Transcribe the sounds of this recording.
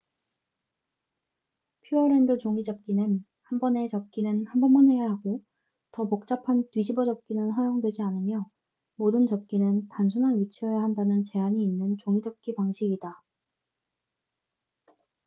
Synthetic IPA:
pʰjuʌɾendɯt͡ɕoŋid͡ʑʌp̚k͈inɯn | hanbʌne̞t͡ɕʌp̚k͈inɯnhanbʌnmʌnwe̞jaɦaɡo | tʌpok̚t͡ɕ͈apʰantɥid͡ʑʰibʌd͡ʑʌp̚k͈inɯnsʌjoŋdwe̞d͡ʑianɯmjʌ | modɯnt͡ɕʌp̚k͈inɯntansʰunɦanɥit͡ɕʰiʌjahandanɯnt͡ɕe̞aɲiːnːɯnt͡ɕoŋid͡ʑʌp̚k͈ipaŋɕʰiɡida

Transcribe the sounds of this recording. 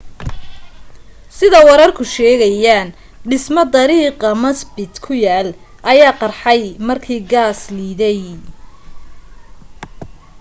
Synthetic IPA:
sɪðɐwɑɾɐrkʰʊʃɛːɣɐjaːn | ɖɪsmɔd̪ɐɾiːqɑmɐsbɪd̪kʰʊjaːl | ʔɐjaːqɑrħɑjmɐrkʰiːɡaːsliːðɛj

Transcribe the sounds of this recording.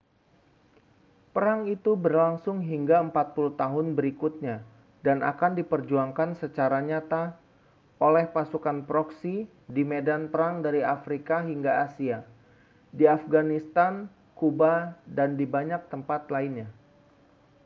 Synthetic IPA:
pəɾaŋit̪ubərlaŋsʊŋɦiŋɡaəmpat̪̚puluht̪aɦʊnbəɾikut̪̚ɲa | dana̰kandipərd͡ʒuaŋkansət͡ʃaɾaɲat̪a | ʔolɛhpasukanpɾɔksi | dimedanpəɾaŋdaɾiafɾikaɦiŋɡaːsia | diafɡanist̪an | kubadandibaɲak̚t̪əmpat̪lainɲa

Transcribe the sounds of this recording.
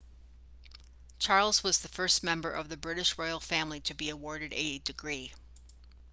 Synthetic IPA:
t͡ʃʰɑɹlˠzwʌzðɨfɜ˞smɛ̃mbə˞ʔʌvðɨbɹɪɾɨʃɹɔɪl̩ˠfæ̃mliɾɨbiɨwɔɹɾɨɾɨdɨɡɹi

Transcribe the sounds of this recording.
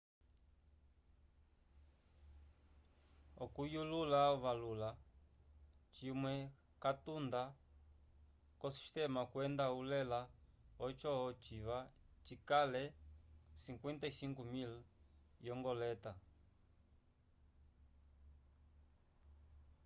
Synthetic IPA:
ɔkujululaβalula | t͡ʃimwɛ | katund̪a | kɔsi̥ʃt̪ɛmakwɛnd̪aulɛlaɔt͡ʃɔt͡ʃiβat͡ʃikalɛ | siŋkwɛnt̪aisiŋkumiljɔŋɡɔlɛt̪a

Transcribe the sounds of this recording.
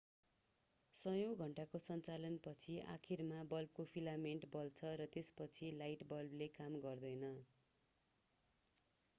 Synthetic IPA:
sʌjoɡɡʱʌɳʈakosʌnt͡salʌnpʌt͡sʰiʔa̰kʰirmabʌlb̚kopʰilameɳʈbʌlt͡sʰʌɾʌt̪espʌt͡sʰilajʈbʌlblekamɡʌrd̪ʌjnʌ

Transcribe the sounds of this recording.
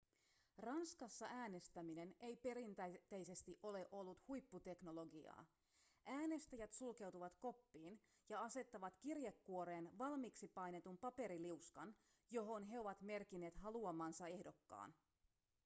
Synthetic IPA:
rɑnskɑsːɑæːne̞st̪æmine̞nejpe̞ɾint̪æt̪æjse̞st̪iʔo̞le̞ʔo̞lːut̪hujpːut̪e̞kno̞lo̞ɡiɑ̰ː | ʔæːne̞st̪æjæt̪sulke̞wt̪uʋɑt̪ko̞pːiːn | jɑɑse̞t̪ːɑʋɑt̪kirjekːuo̞ɾe̞ːnʋɑlmiksipɑjne̞t̪umpɑpe̞ɾiliuskɑn | jo̞ɦo̞nɦe̞o̞ʋɑt̪me̞rkine̞ːt̪hɑluɑmɑːnsɑe̞hdo̞kːɑ̰ːn

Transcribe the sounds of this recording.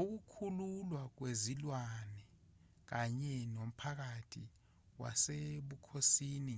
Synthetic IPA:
ok̬ukʰululwak̬wezilwanɛ | k̬aɲɛnom̩pʰak̬atʰḭ | wa̰seɓukʰosiːni

